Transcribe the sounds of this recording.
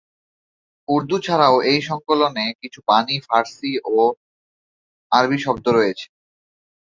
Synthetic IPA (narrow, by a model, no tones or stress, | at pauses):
uɾd̪ut͡ɕʰaɾaoʔejʃɔŋkolonekit͡ɕʰupanifaɾsiʔo | aɾbʱiʃɔb̚d̪oɾoet͡ɕʰe̥